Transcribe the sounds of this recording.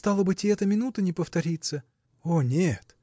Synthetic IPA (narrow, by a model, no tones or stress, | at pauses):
st̪ɑlˠəbɨtʲɪɛt̪əmʲɪnut̪ənʲɪpəft̪ɐɾʲit̪sə | onʲet̪